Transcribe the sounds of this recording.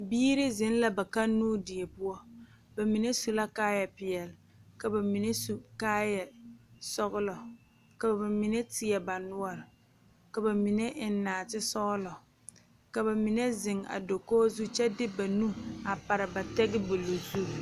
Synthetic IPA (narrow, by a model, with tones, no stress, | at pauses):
biː˦ɾɪ˦zɪ˨˦n˦la˦ba˨ka˦nːuː˦dɪ˨ɛ˨pʊ˦ɔ˦ | ba˨mi˨ne˦su˨la˦kaː˦jɛ˨pɪ˨jɛ˨lɪ˨ | ka˨ba˨mi˨ne˦su˦kaː˦jɛ˨sɔ˦ɣʊ˦lɔ˨ | ka˨ba˨ba˨mi˨ne˦tɪ˨ɛ˨ba˨nʊ˦ɔ˦ɾɪ˨ | ka˨ba˨mi˨ne˦ʔɪ˨n˦naː˨tɪ˦sɔ˦lɔ˨ | ka˨ba˨mi˨ne˦zɪ˨ŋa̰˨do˨koː˦zu˦t͡ʃɛ˦dɪ˦ba˨nu˦a˨pa˨ɾɪ˨ba˨tɛ˦ɡɪ˦bo˨lo˨zu˦